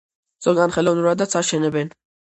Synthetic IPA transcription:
d̪z̥ɔɡanχɛlɔvnuɾad̪at̪sʰaʃɛnɛbɛn

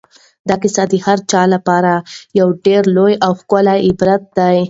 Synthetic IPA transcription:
d̪ɑkɪsad̪əhaɾt͡ʃɑlapɑɾajawɖeɾlojawxkʊlaɪbɾat̪̚d̪aj

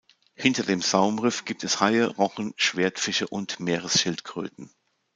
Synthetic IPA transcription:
hɪntɐdeːmzaʊmʁɪfɡ̥iːp̚tɛshaɪəʁɔχən̩ʃv̥eːɐtfɪʃəʔʊntmeːʁəsʃɪltkʁ̥ø̰ːtn̩

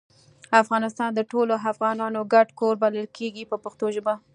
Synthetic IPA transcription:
afɣɑnɪst̪ɑnd̪əʈoloafɣɑnɑnoɡaɖkoɾbaləlkʰeɡipəpəxt̪oʒəba

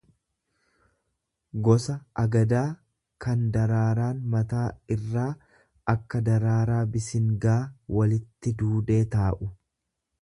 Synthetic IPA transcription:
ɡɔsɐʔɐɡɐd̪aː | kɐnd̪ɐɾaːɾaːnmɐt̪aːɪrːaː | ɐkːɐd̪ɐɾaːɾaːbɪsɪŋɡaːwɐlɪt̪ːɪd̪uːd̪e̞ːt̪aːʔʊ

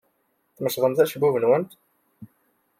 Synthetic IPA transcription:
θməʃʁəmθæʃəbːuvənwənt̪

